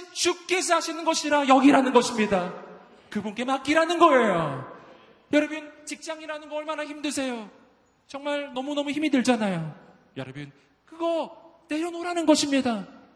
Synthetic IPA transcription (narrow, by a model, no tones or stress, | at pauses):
int͡ɕup̚k͈es̬ʰaɕʰinɯnɡʌɕʰiɾajʌɡiɾanɯnɡʌɕʰimɲida | kɯbunk͈e̞mak͈iɾanɯnɡʌejo | jʌɾʌbɯnt͡ɕik̚t͡ɕ͈aŋiɾanɯnɡʌʌɭmanaçimdɯsʰe̞jo | t͡ɕʌŋmaɭnʌmunʌmuçimidɯɭd͡ʑanajo | jʌɾʌbin | kɯɡʌne̞ɾjonoɾanɯnɡʌɕʰimɲida